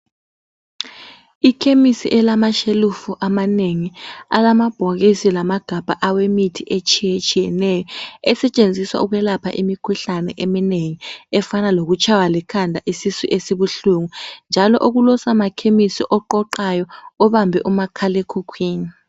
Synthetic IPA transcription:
ikʰemisḭʔɛlamaʃelufuʔamaneŋia̰lamab̥ʱok̬isilamaɡ̥ʱab̥ʱaʔawemitʰiʔet͡ʃʰʼijet͡ʃʰʼijɛnɛːjɔɛsɛt͡ʃʼend͡zʱiswa̰uk̬wɛlapʰa̰ʔimikʰuɬanɛ̰ʔemineŋiɛfanalok̬ut͡ʃʰawalɛkʰandʱaʔisisiʔesiɓuɬuŋund͡ʒʱalɔ̰ʔuk̬ulɔsamakʰemisiʔɔǃɔǃajɔɔɓambʱɛʔumakʰalekʰukʰwiːni

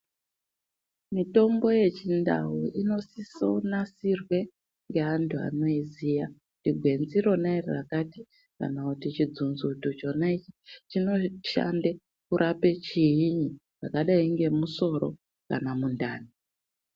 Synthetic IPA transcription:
mito̞mbo̞je̞t͡ʃinda̰ɦuʔino̞siso̞̰nasirwe̞ | ŋɡe̞antʰua̰no̞izija | diɡʱwe̞nziro̞nairerakati̥ | ka̰nakutit͡ʃid͡zunzutut͡ʃo̞nait͡ʃi̥t͡ʃino̞ʃa̰nde | kuɾʔape̞t͡ʃiɦiɲi | ʐakaɗaiŋɡe̞muso̞ɾo̞ | ka̰namundaːni

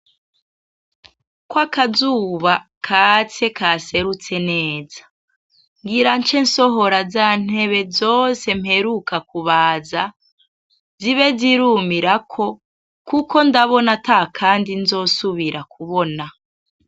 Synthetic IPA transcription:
kwakazuːβa | kʰat͡se̞kaːse̞ɾut͡se̞neːzḁ | ŋɡiɾant͡ʃe̞nso̞ɦo̞ɾazaːn̥e̞βe̞zo̞ːse̞m̥he̞ɾukakuβaːza | ziβe̞ziɾumiɾakʰo̞ | kuko̞ndaβo̞natakʰaːndinzo̞ːsuβiɾakʰuβona

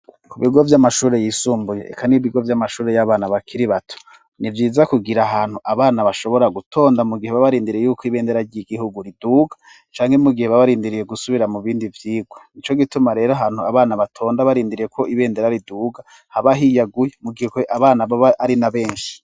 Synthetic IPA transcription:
kuβiɡo̞vjamaʃuːɾe̞jiːsuːmbuje̞̰ʔḛkʰaniβiɡo̞vjamaʃuːɾe̞jaβaːnaβakʰiɾiβatʰo̥ | nivjiːzakuɡiɾaɦaːn̥huʔaβaːnaβaʃo̞βo̞ɾaɡutʰo̞ːndamuɡiheβaβaɾiːndiɾiejuːkʰoiβeːnde̞ɾaɾɟiɡiɦuɡuɾiduːɡḁ | t͡ʃaːŋhe̞muɡiheβaβaɾiːndiɾije̞ɡusuβiɾamuβiːndivjiːɡwonit͡ʃo̞ɡitumaɾe̞ːɾoɦaːn̥huaβaːnaβatʰo̞ːndaβaɾiːndiɾije̞kʰo̞ʔiβe̞ːnde̞ɾaɾiduːɡa | haβaɦijaɡujemuɡihekoʔaβaːnaβaaaɾinaβe̞ːnʃi̥

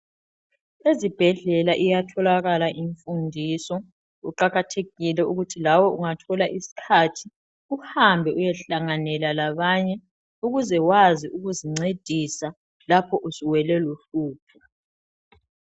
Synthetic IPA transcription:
ezib̥ʱɛɮɛlaʔijatʰɔlaɣalaʔiɱfundʱisɔ | ṵǃaɣatʰeɣilɛuɣutʰilawɔuŋatʰɔlaʔisi̥kʰatʰi | uhambʱɛʔujɛɬaŋanɛlalaβaɲɛ | uɣuzɛwaziʔuɣuziŋ͡ǀed̥ʱisa | lapʰɔʔusiwɛlɛloɬuːpʰɔ

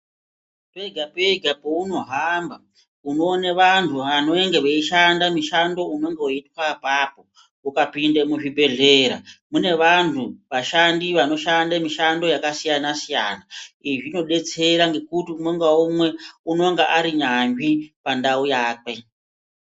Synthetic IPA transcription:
pe̞ɡʱapeɡʱapouno̞ɦamba | uno̞ːneʋantʰuano̞eŋɡeʋeiʃandamiʃando̞uno̞ŋɡewoitwapapo | ukapindemuʐibʱe̞ɮe̞ːɾa̰mune̞ʋantʰuʋaʃandiʋano̞ʃandamiʃando̞jakasijanasija̰naiʐino̞ɗe̞t͡se̞ɾaŋɡe̞kutiumoŋɡaumwe̞unoŋɡeʔaɾiɲaɱʐipandaujaːk̚we̞

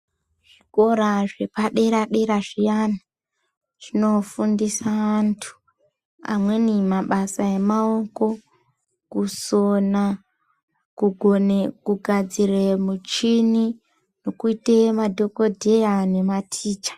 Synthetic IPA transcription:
ʐiko̞ɾaʐe̞paɗe̞ɾaɗe̞ɾaʐijana | ʐ̥ino̞fundisaantʰu̥ | a̰mwe̞nimaɓasae̞mao̞ko̞ | kusona | kuɡʱonekuɡʱad͡ziremut͡ʃini | no̞kuitemadʱo̞ko̞dʱe̞jane̞matʰiːt͡ʃḁ

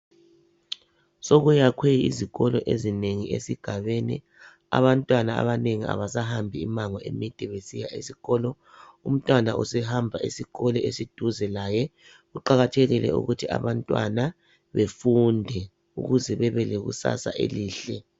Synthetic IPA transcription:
soɣujakʰweḭziɣɔlɔʔezineŋiesiɡ̥ʱaβenḭ | a̰βantʼwanaa̰βaneŋia̰βasahambʱiimaŋɔḛmid̥ʱɛβesija̰ʔisiɣɔlɔ | um̩tʼwanaʔṵsɛɦambʱaʔisiɣɔlɔesid̥ʱuzɛlajɛ | ɣuǃaɣatʰeɣilɛ̰ṵɣutʰia̰βantʼwa̰na | βefundʱɛ | ṵɣuzɛβɛβɛleɣṵsa̰sa̰ʔḛliːɬɛ

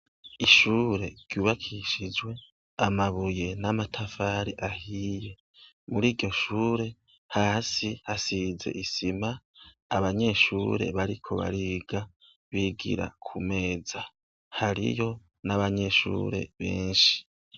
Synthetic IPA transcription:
iʃuːɾe̞ɾ̥juːβakʰiʃid͡ʒwe̞ | amaβuje̞namatʰafaɾiʔahiːje̞ | muɾiːɾɟo̞ʃuːɾe̞ | haːsihasize̞̰ʔisimaː | βaɲe̞ʃuːɾe̞̰βaɾikʰo̞̰βa̰ɾiːɡa | βiɡḭɾa̰kʰume̞ːd͡za | haɾḭjo̞ | naβaɲe̞ʃṵːɾe̞̰βḛːnʃi̥

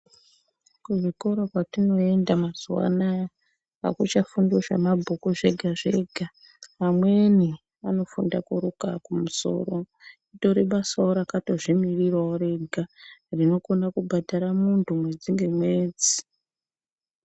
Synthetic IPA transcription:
kuʐiko̞ɾokwatino̞endamazuwa̰na | a̰kut͡ʃafunduʃa̰mabʱukuʐe̞ɡʱaʐe̞ɡʱa | amwe̞ni | ano̞fundakuɾukakumuso̞̰ːro | ito̞ɾiɓasaoɾakato̞ʐimirirwaoɾe̞ɡʱarino̞ko̞nakubʱadʱaɾamuntʰumwe̞d͡ziŋɡe̞mwe̞ːd͡zi̥

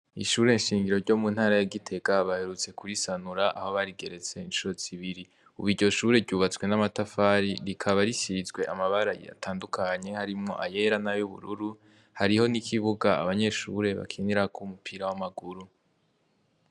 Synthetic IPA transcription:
ḭʃuːɾe̞nʃiːŋɡiɾo̞ɾɟo̞munhaːɾajaɡitʰe̞ɡaβahe̞ɾut͡se̞kuɾisanuɾaʔa̰ho̞βaɾiɡe̞ɾe̞t͡se̞inʃuɾo̞z̥iβiɾi | uβiɟo̞ʃuːɾe̞ɾɟuːβat͡swe̞namatafaːɾiɾikʰaβaɾiʃizɡwe̞ʔamaβaɾajḭja̰tʰaːndukʰaɲe̞haɾimŋo̞̰ʔaje̞ɾanajuβṵɾuɾu | haɾiho̞nikʰiβuɡaa̰βaɲe̞ʃṵɾe̞βa̰kʰiniɾakʰumupʰiɾawamaɡuɾu

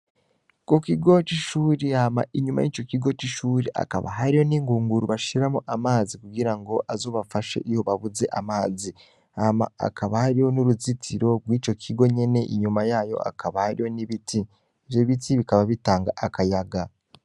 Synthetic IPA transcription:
kokiɡo̞t͡ʃiʃuːɾeama̰ʔiɲuma̰jit͡ʃo̞kiɡo̞t͡ʃiʃuːɾeʔa̰ka̰βa̰ɦaɾiho̞niːŋɡuːŋɡuɾuβaʃiɾamuʔamaːzikuɡiɾaŋɡo̞ʔazo̞ːβafaʃe̞̰ʔiho̞βaβuze̞̰ʔamaːzi | ama̰a̰kʰaβahaɾiho̞nuɾuzitʰiɾo̞ɡwiːt͡ʃo̞kʰiɡo̞ɲe̞ne̞ʔiɲumajaːjo̞̰a̰kʰaβahaɾijo̞niβitʰi | iβjo̞βitiβikaβaβitaːŋɡaʔakajaɡa

